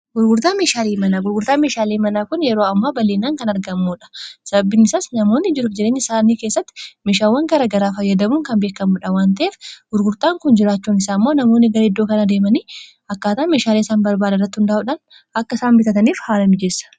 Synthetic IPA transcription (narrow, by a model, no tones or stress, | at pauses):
ɡʊɾɡʊɾt̪aːnmeːʃaːliːmɐnɐɡʊɾɡʊɾt̪aːnmeːʃaːleːmɐnaːkʊnjɛɾo̞ːɐmːaːbɐleːnːaːŋkɐnɐɾɡɐmːuːᶑɐ̥sɐbɐbːɪnɪsaːsnɐmo̞ːnːɪd͡ʒɪɾʊfd͡ʒɛɾeːɲːɐsaːniːkeːsːɐt̪ːɪ̥meːʃaːwːɐŋɡɐɾɐɡɐɾaːfɐjːɐd̪ɐmuːŋkɐnbe̞ːkːɐmʊᶑɐwaːnt̪ɐʔeːfɡ̥ʊɾɡʊɾt̪aːŋkʊnd͡ʒɪɾaːt͡ʃːuːnɪsaːmːoːnɐmo̞ːnːɪɡɐɾɛd̪ːoːkɐnad̪e̞ːmɐniː | ɐkːaːt̪aːnme̞ːʃaːleːɪsaːnbɐɾbaːd̪ɐrːɐt̪ːɪhʊnd̪ɐʔuᶑan | ʔɐkːɐɪsaːnbɪt̪ɐt̪ɐniːfhaːlɐmɪd͡ʒesːɐ̥